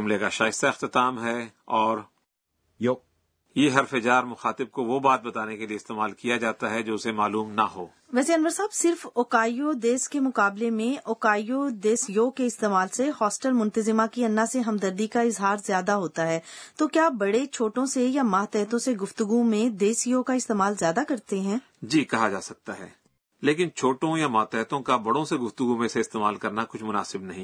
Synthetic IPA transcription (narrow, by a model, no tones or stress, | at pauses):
ʊmlekaʃaːɪst̪aɪxt̪ɪt̪aːmɦɛɔːɾ | jeɦɐɾfɪd͡ʒaːɾmʊxaːt̪ɪb̚koʋobaːt̪̚bɐt̪aːnekelieɪst̪eːmaːlkijad͡ʒaːt̪aɦɛd͡ʒoːʊsemaːluːmnɐ̰ɦo̰ː | ʋɛːseɐnʋəɾsaːbsɪɾfoːkaːijod̪eːskemʊkaːblemẽʔoːkaːijod̪eːsjoːkeɪst̪eːmaːlsehɔːsʈəlmʊ̃nt̪əzɪmãkiɐnːaseɦɐmd̪ɐɾd̪ikaɪzɦaːɾzjaːd̪aɦoːt̪aɦɛːt̪oːkjaːbɐɽet͡ʃʰoːʈõsejamaːt̪ɛːt̪õseɡʊft̪ʊɡumẽd̪eːsjoːkaɪst̪eːmaːlzjaːd̪akɐɾt̪eɦɛ̃ː | d͡ʒiːkɐɦad͡ʒa̰ːsɐk̚t̪aɦɛ̰ː | leːkɪnt͡ʃʰoːʈõjamaːt̪ɛɦt̪õkabɐɽõseɡʊft̪ʊɡumẽseɪst̪eːma̰ːlkɐɾnakʊt͡ʃʰmʊna̰ːsɪbnɐɦĩː